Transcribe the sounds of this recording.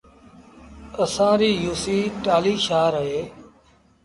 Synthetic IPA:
əsãːɾiːjuːsiːʈaːliːʃaːɾəɦeː

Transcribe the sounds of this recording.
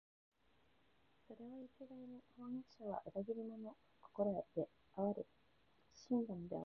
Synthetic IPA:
so̞ɾe̞βaik̪eɡ̪ainihõŋit͡ɕi̥aβa̰ʔɯɾaɡiɾʲimo̞no | ko̥koɾoed̪̥e | aɾɯ̟ | ɕĩnd̪ãnd̪e̞̰a̰

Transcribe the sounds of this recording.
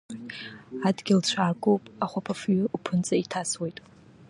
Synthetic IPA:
adɡʲɪlt͡ɕʷʰaːɡʼowpʼaχʷapʰafɥʊupʰɨnt͡sʼaitʰaswe̞jtʼ

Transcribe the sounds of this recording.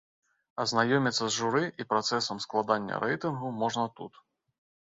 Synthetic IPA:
ɐznajɔmʲit̪sːɐzʐuɾɨʔipɾat̪sɛsɐmsklˠad̪anʲːɐ̰ɾɛjt̪ɨnɣumɔʐnɐt̪ṵt̪

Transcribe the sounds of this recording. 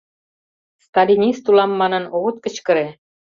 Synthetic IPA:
st̪ɑlʲinʲist̪ulɑmːɑnɤ̆noɣə̆t̪̚kə̆t͡ɕkə̆ɾe

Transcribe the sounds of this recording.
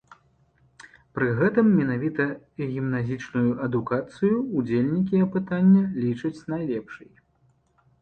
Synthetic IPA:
pɾɨɣɛt̪ɨmːʲɛnavʲit̪ɐ | ɣʲimnazʲit͡ʂnujuʔɐd̪ukat̪sɨjuːd͡zʲelʲnʲik̬ʲiɐpɨt̪anʲːɐlʲit͡ʂɐt͡sʲnajlʲɛpʂɨj

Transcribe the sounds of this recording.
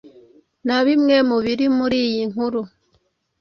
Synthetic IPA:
naβimŋemuβiɾimuɾijiŋuɾu

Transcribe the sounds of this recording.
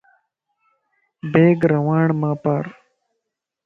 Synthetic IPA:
beːɡɾɐwaːɳmaːpaːɾ

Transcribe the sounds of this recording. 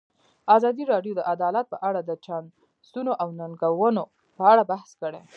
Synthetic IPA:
ɑzɑd̪iɾɑɖjod̪əʔad̪ɑlat̪̚pəʔaɽad̪ət͡ʃan | st̪unoʔawnaŋɡawəno | pəaɽabahskəɽe

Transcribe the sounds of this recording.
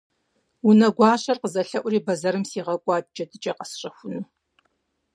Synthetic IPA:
unɐɡʷɑːɕʼɐrqəzɐɬɐʔʷʊriːbɐzɐɾɨmsiːʁɐkʷʼɑːt̚d͡ʒɐdɨt͡ʃʼɐqɐsɕʼɐxʷʊnɨ

